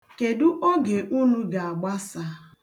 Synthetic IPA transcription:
ke˨du˦ʔo˦ɡe˨ʔu˦nu˦ɡa˨a˨ɡ͡ba˦sa˦

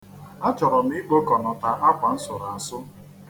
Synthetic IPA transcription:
a˦t͡ʃɔ˨ɾɔ˨m̩˦i˦ɡ͡bo˦kɔ˨nɔ˨ta˨a˦kʷa˨n̩˦sʊ˨ɾa˨a˨sʊ˦

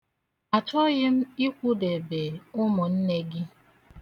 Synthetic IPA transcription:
a˨t͡ʃɔ˦ɣɪ˦m̩˦i˦kʷu˦de˨be˨ʊ˦mʊ˨n̩˦ne˦ɡɪ˦

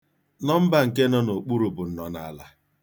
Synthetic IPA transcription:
nɔ˦m̩˦ba˨ŋ̩˨ke˦nɔ˦no˨k͡pu˦ɾu˨bʊ˨n̩˦nɔ˨na̰˦˨la˦

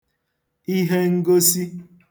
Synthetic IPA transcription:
i˦ɦe˦ŋ̩˦ɡo˦si˦

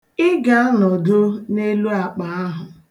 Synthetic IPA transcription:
ɪ˦ɡa˨a˦nɔ˨do˦ne˦lu˦a˨k͡pa˨a˦ɦʊ˨

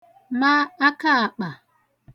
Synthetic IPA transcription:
ma˦a˦ka˦a˨k͡pa˨

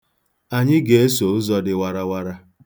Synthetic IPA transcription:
a˨ɲɪ˦ɡe˨˦e˦so˨ʊ˦zɔ˦dɪ˨wa˨ɾa˦wa˦ɾa˦

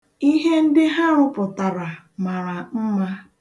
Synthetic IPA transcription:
i˦ɦe˦n̩˦dɪ˦ɦa˦ɾʊ˦pʊ˨ta˨ɾa˨ | ma˨ɾa˨m̩˦ma˦

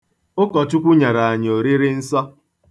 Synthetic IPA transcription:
ʊ˦kɔ˨tʊ˦kʷu˦ɲa˨ɾa˨a˨ɲ˨o˨ɾi˦ɾɪ˦n̩˦sɔ˦

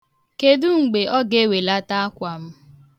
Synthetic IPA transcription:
ke˨du˦ŋ͡m̩˨ɡ͡be˨ʔɔ˦ɡe˦˨we˨la˦ta˦a˦kʷa˨m̩˦

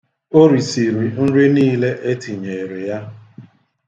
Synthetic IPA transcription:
o˦ɾi˨si˨ɾi˨n̩˦ɾi˦niː˦le˦ʔe˦ti˨ɲe˨ɾe˨ja˦

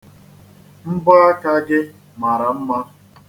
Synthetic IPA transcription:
m̩˦ba˦a˦ka˦ɡɪ˦ | ma˨ɾa˨m̩˦ma˦

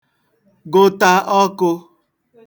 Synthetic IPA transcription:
ɡʊ˦ta˦ʔɔ˦kʊ˧

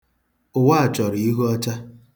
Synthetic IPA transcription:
ʊ˨wa˦a˨t͡ʃɔ˨ɾi˨i˦ɦu˦ɔ˦t͡ʃa˦

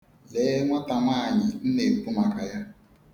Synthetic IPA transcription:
le˨˦ŋʷa˦ta˨ŋaː˦˨ɲɪ˨n̩˦ne˨k͡pu˦ma˨ka˨ja˦

